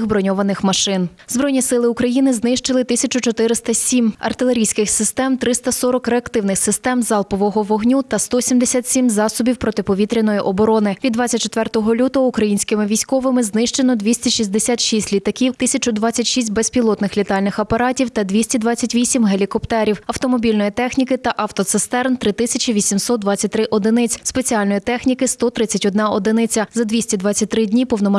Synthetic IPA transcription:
xbɾɔnʲɔʋɐnɪxmɐʃɪn | zbɾɔjnʲisɪlˠɪʊkɾɐjinɪznɪʃt͡ʃɪlˠɪt̪ɪsʲɐt͡ʃʊt͡ʃɔt̪ɪɾɪst̪ɐsʲimɐ̰rt̪ɪlˠe̞ɾʲijsʲkɪxsɪst̪ɛmt̪ɾɪst̪ɐsɔɾɔkɾeɐkt̪ɪwnɪxsɪst̪ɛmzɑlˠpɔʋɔɦɔʋɔɦnʲut̪ɐst̪ɔsʲimd̪esʲat̪ʲsʲimzɑsʊbʲiwpɾɔt̪ɪpɔʋʲit̪ɾʲɪnɔjiʔɔbɔɾɔnɪʋʲid̪ːʋɑt͡sʲɐt̚ʲt͡ʃːet̪ʋɛrt̪ɔɦɔlʲut̪ɔukɾɐjinʲsʲkɪmɪʋʲijsʲkɔʋɪmɪznɪʃt͡ʃenɔd̪ʋʲisʲtʲɐʃizʲd̪esʲat̪ʃisʲtʲlʲit̪ɐkʲiwt̪ɪsʲɐt͡ʃʊd̪ʋɑt͡sʲːɐtʲʃisʲt̚ʲbɛspʲilˠɔt̪nɪxlʲit̪ɑlʲnɪxɐpɐɾɑtʲiwt̪ɐd̪ʲʋʲisʲtʲid̪ʋɑt͡sʲːɐtʲʋʲisʲimɦelʲikɔpt̪ɛɾʲiwɐwt̪ɔmɔbʲilʲnɔjit̪ɛxnʲikɪt̪ɐʔɑft̪ɔt̪sɪst̪ɛrnt̪ɾɪt̪ɪsʲɐt͡ʃʲiʋʲisʲimsɔt̪d̪ʋɑt͡sʲːɐt̚ʲt̪ɾɪʔɔd̪ɪnɪt͡sʲspe̞t͡sʲialʲnɔjit̪ɛxnʲikɪst̪ɔt̪ɾɪt͡sʲːɐtʲɔd̪nɑɔd̪ɪnɪt͡sʲɐzɐd̪ʋʲisʲtʲid̪ʋɑt͡sʲːɐt̚ʲt̪ɾɪdʲnʲipɔwnɔmɐ

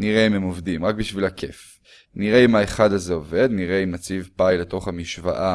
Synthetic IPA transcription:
niʁeimhemovdimʁak̚biʃvilakʰe̞f | niʁeimaeχadazeove̞d̪niʁeimnat͡sivpajle̞to̞χhamiʃva̰ʔa

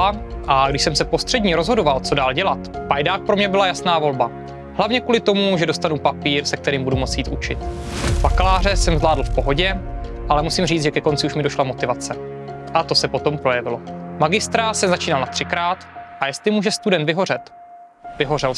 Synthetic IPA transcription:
aʔaɡdɪʃsɛmsɛpo̞st̪r̥ɛdɲiɾo̞zɦo̞dovalt͡so̞daːlɟɛlat̪pajdaːk̚pɾo̞mɲɛbɪlajasnaːvo̞lba | ɦlavɲɛkuːlɪt̪o̞muʒɛdo̞st̪anupapiːɾsɛk̚t̪ɛɾiːmbudumo̞t͡sjiːt̪ʔut͡ʃɪ̰t̪bakalaːr̝ɛsɛmzlaːdl̩fpo̞ɦo̞ɟɛʔalɛmusimriːt͡sʒɛkɛko̞nt͡sɪuʃmɪdo̞ʃlamo̞t̪ɪvat͡sɛʔat̪o̞sɛpo̞t̪o̞mpɾo̞jɛvɪlo̞maɡɪst̪ɾasɛmzat͡ʃiːnalnat̪r̥ɪkɾaːt̪ʔajɛst̪lɪmuːʒɛst̪udɛnt̪vɪɦo̞r̝ɛt̪ | vɪɦo̞rɛl

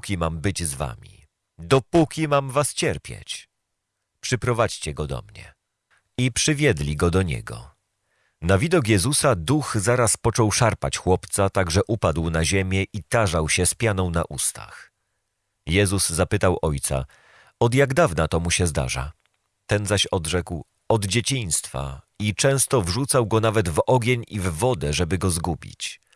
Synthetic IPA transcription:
kʲimambɘd͡ʑzva̰mʲḭ | d̪ɔpukʲimamvast͡ɕɛɾpʲjḛt͡ɕ | pʂɘpɾɔvat͡ɕt͡ɕɛɡɔd̪ɔ̰mɲɛ̰ | ipʂɘvʲjɛd̪lʲiɡɔd̪ɔɲɛ̰ɡɔ̰ | navʲid̪ɔk̬jɛzusad̪uxzaɾaspɔt͡ʂɔwʂaɾpat͡ɕxwɔpt̪sat̪aɡʐɛʔupad̪wnaʑɛmʲjɛʔit̪aʐawɕɛspʲjanɔ̃w̃na̰ʔust̪a̰x | jɛzuzzapɘt̪awʔɔjt̪sa̰ | ɔd̪jaɡd̪avnat̪ɔmuɕɛzd̪a̰ʐa̰ | t̪ɛnzaɕɔd̪ʐɛkw | ɔd̪d͡ʑet͡ɕiɲ̃st̪fa̰it͡ʂɛ̃w̃st̪ɔvʐut̪sawɡɔnavɛd̪vɔɡʲeɲivːɔd̪ɛʐɛbɘɡɔzɡubʲḭt͡ɕ

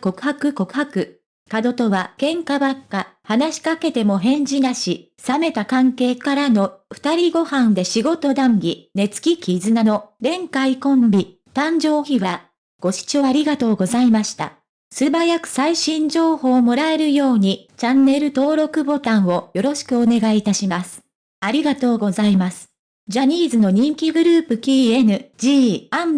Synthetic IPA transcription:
ko̞kɯ̟̥ɦakɯ̟ko̞kɯ̟ɦakɯ̟ | kad̪o̞t̪o̞βakẽ̞ŋkabakːahanaɕi̥kake̞t̪e̞mo̞ɦẽ̞ɲ̟d͡ʑinaɕi | same̞t̪akãŋke̞ːkaɾano̞ɸɯ̥t̪aɾʲiɡo̞hãnd̪e̞ɕiɡo̞t̪o̞d̪ãŋɡʲine̞t͡sɨ̥kʲikʲʰizɨnano̞ɾẽ̞ŋkaikõ̞mbʲi | t̪ãɲ̟d͡ʑo̞ːçiβa | ɡ̥o̞ɕi̥t͡ɕo̞ːaɾʲiɡat̪o̞ːɡo̞zaimaɕi̥t̪a̰ | sɨbajakɯ̟̥saiɕĩɲ̟d͡ʑo̞ːho̞ːmo̞ɾae̞ɾɯ̟jo̞ːɲ̟it͡ɕanːe̞ɾɯ̟t̪o̞ːɾo̞kɯ̟bo̞t̪ãɰ̃o̞jo̞ɾo̞ɕi̥kɯ̟o̞ne̞ɡaiːt̪aɕimasɨ̥ | aɾʲiɡat̪o̞ːɡo̞zaimasɨ̥ | d͡ʑaɲ̟iːzɨno̞ɲ̟ĩŋkʲiɡɯ̟ɾɯːpɯ̟kʲiːenɯ̟d͡ʑiːam

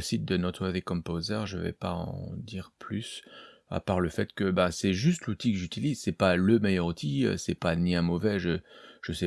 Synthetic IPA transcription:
əsit̪̚d̪ənɔt̪χəðekɔ̃pozəʁʒə̰vɛ̰paɑ̰̃d̪iʁplysa̰paʁləfɛt̪kəbasɛʒyst̪lut̪ikəʒyt̪ilizsɛpaləmɛjœʁut̪ʰiø̰sɛpaniɛ̃mɔvɛʒəʒ̥əsɛ

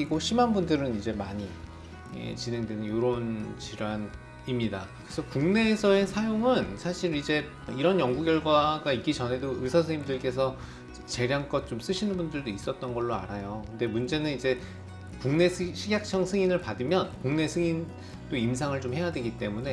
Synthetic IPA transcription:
iɡoɕʰimanbundɯɾɯnid͡ʑe̞maɲi | ḛt͡ɕine̞ŋdwe̞nɯnjoɾont͡ɕiɾjoan | imɲidakɯɾesʰʌkuŋne̞ːsʰʌe̞sʰajoŋɯnsʰaɕʰiɾid͡ʑe̞ | iɾʌnjʌŋɡuɡjʌɭɡwaɡaik͈it͡ɕʌnɦe̞doɯsʰas̬ʰɯŋimdɯɭk͈e̞s̬ʰʌ | t͡ɕe̞ɾjaŋk͈ʌt̚t͡ɕoms͈ɯɕʰinɯnbundɯɭdois͈ʌt̚t͈ʌnɡʌɭːoa̰ɾajokɯnde̞mund͡ʑe̞nɯnid͡ʑe̞ | kuŋne̞sʰɕʰiɡjak̚t͡ɕʰʌŋsʰɯŋinɯɭpadɯmjʌnkuŋne̞sʰɯŋin | doims̬ʰaŋɯɭt͡ɕomhe̞jadwe̞ɡit͈e̞mune̞

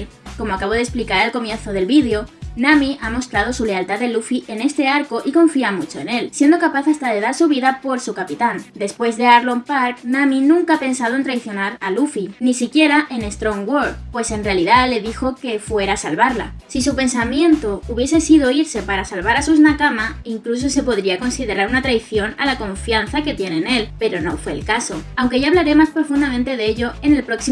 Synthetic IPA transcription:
ko̞moakaβo̞ðesplikaɾelko̞mje̞n̟θo̞ð̞e̞lβiðjo̞nãmiʔamo̞st̪ɾað̞o̞sule̞alt̪aððe̞lufiʔe̞ne̞st̪e̞aɾko̞ʔiko̞ɱfiamut͡ʃo̞e̞ne̞lsje̞nd̪o̞kapaθast̪að̞e̞ðaɾsuβ̞iðapo̞ɾsukapit̪and̪e̞spwe̞zðe̞aɾlompaɾknãminũŋkaape̞nsað̞oe̞nt̪ɾekθjo̞naɾalufinisikje̞ɾaʔe̞ne̞st̪ɾo̞ŋɡwoɾpwe̞se̞nre̞aliðale̞ðixo̞ke̞fwe̞ɾasalβaɾla̰sis̬upe̞nsamje̞nt̪o̞uβje̞s̬e̞siðo̞iɾse̞paɾasalβaɾasuznakamaiŋklus̬o̞se̞po̞ðɾiako̞nsiðe̞ɾaɾunat̪ɾajθjo̞na̰lako̞ɱfjanθake̞t̪je̞nene̞lpe̞ɾo̞no̞̰fwe̞̰ːlkaso̞awŋke̞ʝaβlaɾe̞maspɾo̞fund̪amẽnt̪e̞ðeeʎo̞e̞ne̞lpɾo̞ksi

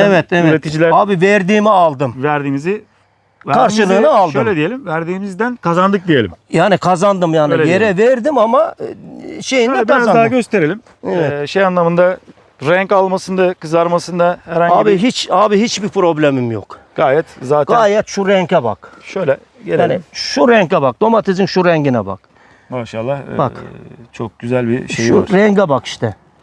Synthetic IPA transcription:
ɛvɛt̪ɛvɛɾet̪ʰid͡ʒilʲæɾaːbivɛɾd̪iːmialˠd̪ɯmvæɾd̪iːnizɪ | kʰaɾʃɯlˠɯːnɯalˠdʃøɯjlʲɛd̪ije̞lʲimvæɾd̪iːmizd̪ænkʰazand̪ɯk̚d̪ije̞lʲḭmjaːnikʰazand̪ɯmjaːnlje̞ɾɛvɛɾd̪imama | ʃe̞jindɛkaand̪aɡøst̪ʰe̞ɾelʲim | ɛɛʃejanlˠamɯnd̪a | ɾɛɲkalˠmasɯnd̪akɯzaɾmasɯnd̪ahæɾhaɲaːbiɦit͡ʃaːbiɦit͡ʃbipɾo̞blʲemimjo̰kɡ̥aːjɛt̪zaːt̪ɡaːjɛt̪ʃuɾɛɲcɛba̰kʃøjlʲɛ | ɟelʲaːniʃuɾɛɲcabak̚d̪o̞mat̪ʰizinʃuɾɛɲɟinɛba̰k | maːʃalˠːahbakt͡ʃʰok̚ɟ̥yzælʲbiʃeʃjṵɾɛɲɟabaki̥ʃt̪ʰɛ

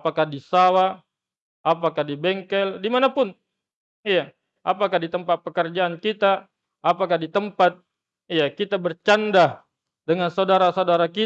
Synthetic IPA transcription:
pakahdisawa | apakahdibɛŋkɛldimanapʊn | ija | ʔapakahdit̪əmpat̪̚pəkərd͡ʒaːnkit̪a | ʔːpakahdit̪əmpat̪̚ | ijakit̪abərt͡ʃanda | dəŋansaudaɾasaudaɾaki

